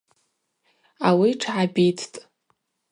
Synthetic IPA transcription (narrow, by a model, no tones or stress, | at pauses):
awiʈ͡ʂʰʕabʲitʰtʼ